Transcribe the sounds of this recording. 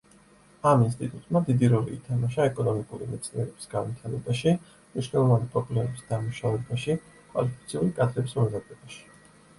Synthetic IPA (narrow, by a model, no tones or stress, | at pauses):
aminst̪ʼit̪ʼut̪ʼmad̪id̪iɾɔlḭːt̪ʰamaʃaɛkʼɔnɔmikʼuɾḭmɛt̪sʰniɛɾɛb̥i̥sɡanvit̪ʰaɾɛbaʃi | mniʃnɛlˠɔvanipʼɾɔblɛmɛbisd̪amuʃavɛbaʃi | kʼva̰lipʰi̥t̪sʰiulikʼad̪ɾɛbismɛzad̪ɛbaʃi̥